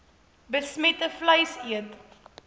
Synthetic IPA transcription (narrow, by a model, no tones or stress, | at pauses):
bəsmɛtəfləjsiət